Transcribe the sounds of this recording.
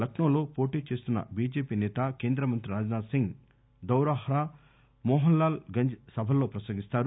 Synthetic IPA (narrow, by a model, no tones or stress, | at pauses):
lɐknɐːlo̞ːpo̞ːʈiːt͡ʃe̞ːst̪unːɐ̰biːd͡ʒeːpiːnɛːt̪ake̞ːnd̪ɾɐmɐnt̪ɾiɾaːd͡ʒnaːsiŋɡ | d̪ɐwɾaːɦɾaː | mɔːɦɐnlːaːlɡɐɲd͡ʒsɐbʱɐlo̞ːpɾɐsɐːɡist̪aːɾu